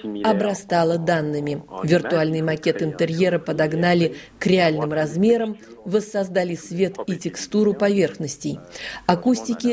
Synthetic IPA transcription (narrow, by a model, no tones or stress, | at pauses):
ɐbɾɐst̪alˠəd̪anːɨmʲɪvʲɪrt̪ʊalʲnɨjmɐkʲe̞t̪ɨnt̪ɨɾʲje̞ɾəpəd̪ɐɡnalʲɪkɾʲɪalʲnɨmrɐzmʲe̞ɾəmvəsːɐzd̪alʲɪsvʲe̞t̪itʲɪkst̪uɾʊpɐvʲe̞rxnəsʲtʲɪjɐkusʲtʲɪkʲɪ